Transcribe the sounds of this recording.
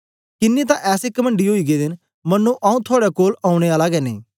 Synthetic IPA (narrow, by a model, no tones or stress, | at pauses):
kɪnːiːt̪ãʔɛːsekəməɳɖiɦoːiːɡeːd̪ɪn | mənːũːʔaːũːt̪ʰʊaːɽɛkoːlaːʊɽ̃eːaːlaɡɛːneː